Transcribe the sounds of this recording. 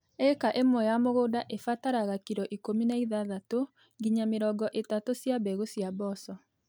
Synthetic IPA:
ɛkaʔemwɔjamoɣoːdaʔefataɾaɣakiɾɔʔikominaiðaðato | ɡiɲameɾɔɡɔʔetatosjabɛɣosjabɔsɔ

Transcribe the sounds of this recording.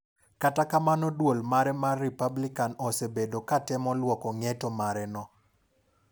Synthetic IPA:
katakamanɔdwolmaɾɛmarːipablikanɔsebedokatɛmɔlwɔkɔŋɛtɔmaɾɛnɔ

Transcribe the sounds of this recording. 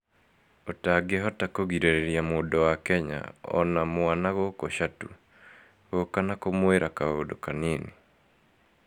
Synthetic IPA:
otaɡeɦɔtakoɣiɾeɾeɾjamoːdɔwakɛɲa̰ɔ̰namwanaɣokoʃatu | ɣokanakomweɾʔakaodokanini

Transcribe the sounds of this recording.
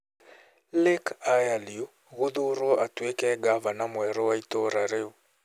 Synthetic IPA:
lekajalio | ɣoðoɾɔatwekɛɡavanamwɛɾɔwaitɔɾaɾeo

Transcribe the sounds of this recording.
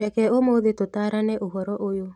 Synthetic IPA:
ɛkɛomoðetotaɾanɛʔoɦɔɾɔʔojo

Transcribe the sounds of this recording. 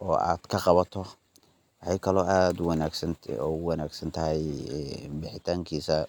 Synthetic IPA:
ʔɔːa̰ːd̪̥kʰɐqɑβɐt̪ʰɔ | wɑħɑjkʰɐlɔːaːd̪ʊwɑnaːɡsɐnɔːʊwɑnaːɡsɐnt̪ʰɐɦɛj | bɪħɪt̪ʰaːŋkʰiːsɐ

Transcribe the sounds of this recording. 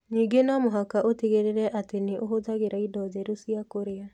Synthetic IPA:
ɲiːŋɡenamoɦakaʔoteɣeɾeɾɛʔateneʔoɦoðaɣeɾaidɔðɛɾosiakoɾea

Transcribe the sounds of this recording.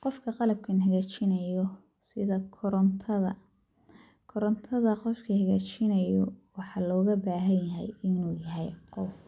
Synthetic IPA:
qɔfkʰɐqɑlɐb̚kʰɐnɦɐɣaːt͡ʃɪnɐjɔ | sɪðɐkʰɔɾɔnt̪ʰɐðɐ | kʰɔɾɔnt̪ʰɐðɐqɔfkʰihɐɣaːt͡ʃɪnɐjɔwɑħɑːlɔːɣɐbaːɦɐnjɐɦɛ̰jɪnuːjɐɦɛjqɔf

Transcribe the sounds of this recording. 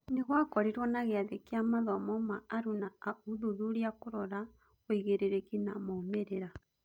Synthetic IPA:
neɣwakɔɾiɾwɔnaɣeaðekiamaðɔmɔmaːɾunauluðuɾiakoɾɔɾa | oiɣeɾeɾekinamoːmeɾeɾa

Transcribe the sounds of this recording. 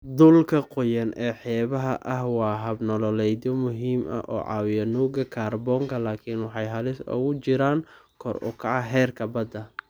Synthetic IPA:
d̪ʊlkʰɐqʊjɐnɛːħɛːβɐɦɐʔɐhwɑːɦɐbnɔlɔlɛjd̪ɔmʊɦiːmʔɐ̰ʔɔ̰ːʕɑ̰ːwɪjɐnuːɡɐkʰaːrbɔːŋkʰɐlaːkʰinwɑħɑjɦɐlɪsʊ̰ɣʊt͡ʃɪɾaːŋkʰɔrʊ̰kʰɐʕɑɦɛːrkʰɐbɐd̪ɐ

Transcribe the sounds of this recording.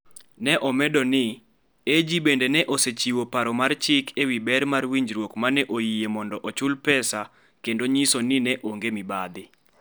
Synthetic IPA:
nɛʔɔmɛdɔnɪ | ed͡ʒibendenɛʔoset͡ʃiwopaɾɔmart͡ʃɪkʰewibɛɾmarwiɲd͡ʒɾwokmanɛʔojiemɔndɔʔɔt͡ʃʊlpɛsa | kendoɲisonɪnɛʔoŋɡemibad̪ɪ

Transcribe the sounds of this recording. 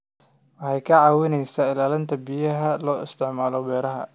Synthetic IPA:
wɑħɑjkʰɐʕaːwɪnɛjsɐɪlaːlɪnt̪ʰɐbɪjɐɦɐlɔːʔɪ̰st̪ʰɪʕmaːlɔbɛːɾɐɦɐ̰

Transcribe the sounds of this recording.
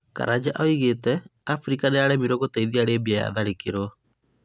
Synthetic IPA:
ka̰ɾad͡ʑaʔaoiɣetɛafɾikaneaɾɛmiɾoɣotaiðiaɾebiaja̰ðaɾekeɾɔ

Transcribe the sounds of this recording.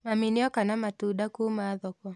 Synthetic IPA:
maminiɔkanamatuɗakuːmaːðɔkwɔ

